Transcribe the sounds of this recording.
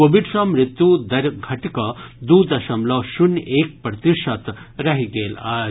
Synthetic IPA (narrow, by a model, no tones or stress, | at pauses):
oːʋiɖʂɐmɾɪt̪jud̪ɐɾɡʱɐʈikɐd̪uːd̪ɐʃɐmlɐʃuneːk̚pɾɐt̪iʂɐt̪ɾɐɦiɡeːlaː